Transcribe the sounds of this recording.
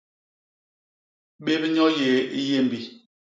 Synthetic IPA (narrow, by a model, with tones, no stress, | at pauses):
ɓe˦bɲɔ˦je˨i˦je˦˨m˨bi˨